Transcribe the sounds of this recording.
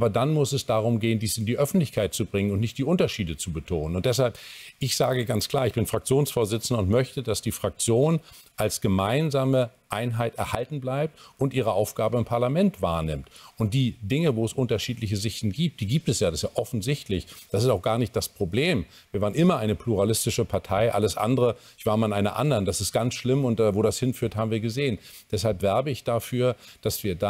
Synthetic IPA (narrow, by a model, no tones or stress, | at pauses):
ʔaːbɐdanmʊsɛsd̥aːʁ̞ʊmɡeːəndiːsɪndiːʔœfn̩tlɪçkʰaɪt̚t͡subʁɪŋənʊntnɪçt̚d̥iːʔʊntɐʃiːdət͡subətʰoːnənʊntd̥ɛs̬halpʔɪçz̥aːɡəɡant͡skl̥aːɐɪçb̥ɪnfʁ̥ak̚t͡sjoːnsfoːɐzɪt͡sn̩dəʊntmœçtədasd̥iːfʁ̥ak̚t͡sjoːn | ʔalsɡ̥əmaɪnzaːməʔaɪnɦaɪtɛɐhaltn̩blaɪp̚tʊntʔiːʁ̞əʔaʊfɡ̥aːbəɪmpʰaɐlamɛntv̥aːɐnɪmtʔʊnt̚d̥iːdɪŋəvoːɛsʔʊntɐʃiːtlɪçəzɪçtn̩ɡiːp̚t̚d̥iːɡiːp̚tɛsjaːdasjaːʔɔfn̩zɪçtlɪçd̥asɪstaʊxɡ̥aːɐnɪçt̚d̥aspʁ̥obleːm | viːɐvaːʁənʔɪmɐʔaɪnəpʰluʁalɪstɪʃəpʰaɐtʰaɪʔa̰ləsʔa̰ndəʁəɪçv̥aːɐmanʔaɪnɐ̰ʔa̰ndɐnd̥asɪst̚ɡ̥ant͡sʃlɪmʊnt̚d̥avoːdashɪnfyːɐthaːbm̩viːɐɡəzeːənd̥ɛshalpv̥ɛɐbəɪçd̥afyːɐd̥asv̥iːɐda